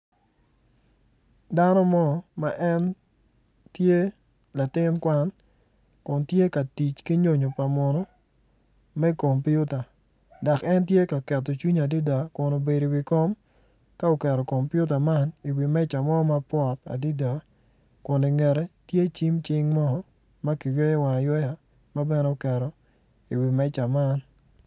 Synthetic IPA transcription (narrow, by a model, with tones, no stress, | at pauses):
da˦nɔ˦mɔ˦ma˨ʔɛ˦n | tje˦ | la˨tɪ˦nkwa˦n | kʊ˨ntje˦ka˨ti˨t͡ʃki˦ɲo˦ɲo˨pa˨mɔ˨nɔ˦ | mɛ˦ko˨mpju˦ta˨ | da˨kɛ˦ntje˦ka˨kɛ˨tːɔ˨t͡ʃwi˦ɲa˨di˦da˨kʊ˨no˨be˨di˨wi˨ko˦m | ka˦o˨kɛ˨ɾɔ˨ko˨mpju˦t̬a˨ma˦ni˨wi˨mɛ˦t͡ʃa˨mɔ˦ɔ˦ma˦pwɔ˦˨ta̰˨di˦da˨ | kʊ˨ni˨ŋɛ˨ɾɛ˦tje˦t͡ʃi˦mt͡ʃɪ˦ŋmɔ˦hɔ˦ | ma˦ki˨jɔ˦ja˦wa˨jɛ˦ja˨ | ma˦bɛ˦n˦o˨kɛ˨ɾɔ˨ | i˨wi˨mɛ˦t͡ʃa˨ma˦n